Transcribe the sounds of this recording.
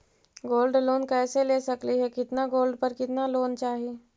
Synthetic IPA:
ɡoːlɖloːnkɛːseleːsɐkliɦɛkɪt̪naɡoːlɖpəɾkɪt̪naloːnt͡ʃaːɦie

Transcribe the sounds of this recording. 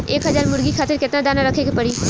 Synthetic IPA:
eːkɦɐzaːɾmʊɾɡikʰaːt̪ɪɾkɪt̪nad̪aːnaɾɐkʰeɡepɐɽiː

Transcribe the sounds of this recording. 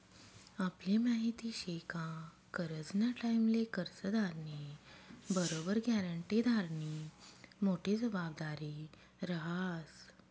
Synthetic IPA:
apljemaɦit̪iɕekã | kəɾəd͡znaʈajmlekəɾsəd̪ʱaɾni | bəɾobəɾɡjaɾəɳʈid̪ʱaɾɳimoʈʰed͡zəbab̚d̪aɾi | ɾəɦas

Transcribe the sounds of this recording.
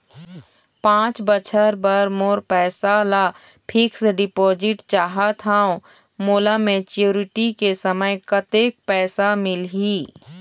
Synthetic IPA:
pãːt͡ʃbət͡ʃʰəɾbəɾmoːɾpɛːsala | pʰɪksɖɪpoːd͡ʒɪʈt͡ʃaːɦat̪ʰaõ | moːlamẽt͡ʃuːɾɪʈikesəməjkət̪eːk̚pɛːsamɪlɦiː

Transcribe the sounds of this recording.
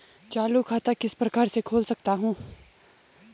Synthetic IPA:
t͡ʃaːlukʰaːt̪akɪspɾɐkaːɾsekʰoːlsɐk̚t̪aɦũː

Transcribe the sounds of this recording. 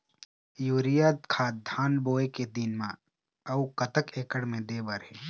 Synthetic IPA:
juːɾijaːd̪kʰaːd̪ʱaːnboːeked̪inmã | ɐukɐt̪əkeːkəɽmẽd̪eːbəɾɦe

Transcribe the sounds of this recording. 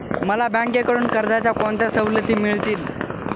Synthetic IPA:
məlabãŋkekəɽuːnkəɾd̪at͡ɕjakont̪asəʋlət̪iːmiɭt̪iːl

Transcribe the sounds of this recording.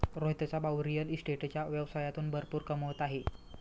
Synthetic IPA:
ɾoɦt̪ət͡sabawɾijəlisʈeʈt͡ɕjaʋjəʋsajat̪uːnbʱəɾpuːɾkəməʋət̪aɦe

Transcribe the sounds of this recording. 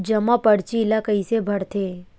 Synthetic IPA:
d͡ʒəmapəɽt͡ʃilakəisebʱɐɽt̪ʰe

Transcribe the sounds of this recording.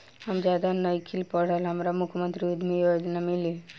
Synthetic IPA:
hamd͡ʒad̪anəjkʰilpɔɽ̤alɦamɾamukʰːmənt̪ɾiud̪mijojd̪inamili

